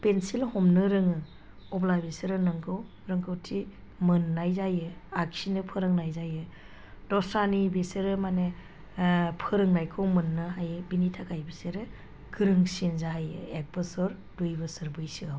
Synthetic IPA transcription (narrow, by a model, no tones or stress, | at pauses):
pensilhɔmnɯɾɯŋɯ | ɔblabesɯɾɯnɯŋkʰɯw | ɾɯŋkʰɯwtʰi | mɯnːajzajɯaksinɯpʰɯɾɯŋnajzajɯ | dɔsanibeseɾɯmane | pʰɯɾɯŋnajkʰɯwmɯnːɯɦajɯbinitʰakʰajbiseɾɯ | ɡɯɾɯŋsinzaɦajɯ̰ek̚bɯsɔɾ | dujbɯsɯɾbɯjsɯaw